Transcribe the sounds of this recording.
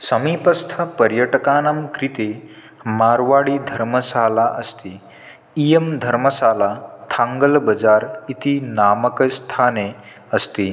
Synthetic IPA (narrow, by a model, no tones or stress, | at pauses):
səmiːpəst̪ʰəpəɾjəʈəkaːnamkɾit̪e | maɾʋaɽiːd̪ʱəɾməsalaʔəst̪iː | ijemd̪ʱəɾməsaːlat̪ʰaŋɡəlbəd͡zaːɾit̪inaməkəst̪ʰane | əst̪iː